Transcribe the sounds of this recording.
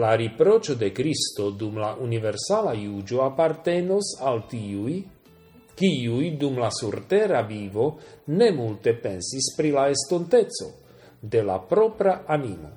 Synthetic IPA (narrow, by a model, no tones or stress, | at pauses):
laɾipɾo̞t͡ʃo̞d̪e̞kɾist̪o̞d̪umlaʔunive̞ɾsalajud͡ʒo̞apaɾt̪e̞no̞salt̪iuj | kiujd̪umlasuɾt̪e̞ɾavivo̞ne̞mult̪e̞pe̞nsispɾilaest̪ont̪e̞t͡so̞̰ | d̪e̞la̰pɾo̞pɾaanimo̞̰